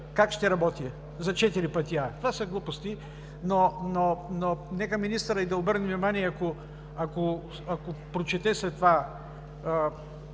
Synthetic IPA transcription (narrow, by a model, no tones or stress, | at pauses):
kakʃt̪ɛɾɐbɔt̪i | zɐt͡ʃɛt̪iɾipət̪iat̪ovasɐɡlˠupost̪i | nonononɛkəminist̪əɾəid̪ɐobəɾnɛvnʲimaniɛako | ɐko | akopɾot͡ʃɛt̪ɛsɛt̪ːva